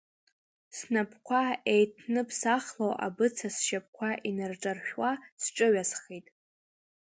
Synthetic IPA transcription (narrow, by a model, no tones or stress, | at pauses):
snapʰkʷʰaejtʰnɨpʰsaχlowʔa̰bɨt͡sʰasʃap̚kʷʰaʔinɨrʈ͡ʂʼarʃᶣwasʈ͡ʂʼɨɥasχitʼ